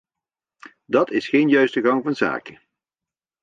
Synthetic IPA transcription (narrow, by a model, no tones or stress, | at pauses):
dɑtɪsχejnjœɥstəɣɑŋvɑnza̰ːkə